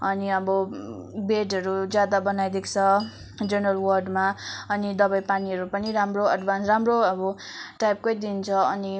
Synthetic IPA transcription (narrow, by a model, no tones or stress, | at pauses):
ʌniʌbʌbeʈʌɾud͡zjad̪abʌnajd̪ekʰt͡sʰʌ | d͡zʌnʌlwʌrɖmaʌnid̪ʌbajpaniʌɾupʌniɾamroʌɖbʱansramroʌbʌʈajp̚kojd̪int͡sʰʌʌni